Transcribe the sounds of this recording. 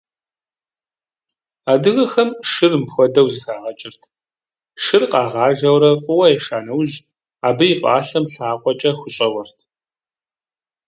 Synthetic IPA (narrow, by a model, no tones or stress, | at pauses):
aːdɨɣɐxɐmʃɨrmpxʷɔdɐwziːxaːʁɐt͡ʃʼɪrtʰ | ʃɨrqʼɑːʁɑːʒɐwɾɐfʼɨwɐjɛʃaːnɐwʒ | aːbɨjɪfʼa̰ːɬɐmɬaːqʷʼɔt͡ʃʼɐxʷʊɕʼɐwɔrtʰ